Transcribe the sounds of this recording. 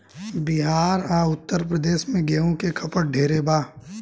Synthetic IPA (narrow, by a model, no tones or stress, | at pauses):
bɪɦaːɾaːʊt̪ːəɾpɾəd̪eːʃmẽɡeːõkekʰɐpəɽ̚ɖʱeːɾebaː